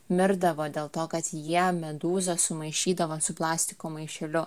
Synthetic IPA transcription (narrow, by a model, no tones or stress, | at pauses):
mʲɪɾd̪ɐʋoːd̪ʲeːlˠt̪oːkɐt̪jiɛmʲɛd̪uːzosʊmɐɪʃʲiːd̪ɐʋoːsʊplˠɑːsʲt̪ʲɪkoːmɐɪʃʲɛlʲʊ